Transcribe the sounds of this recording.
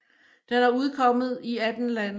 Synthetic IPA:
d̥enæɐuð̞ˠkʰɒ̽m̰ð̞̩ˠiæd̥n̩læn

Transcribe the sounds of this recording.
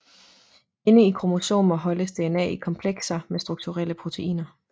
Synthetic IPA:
e̝nəikʰʁo̝moso̝̰ːnɒ̽ɦɒ̽ləsd̥e̝enɛ̰ːikʰɒ̽mpʰleɡ̥sɐmesd̥ʁuɡ̥̚t͡sʰuʁel̰əpʰʁo̝t͡sʰe̝ʔḭːnɐ

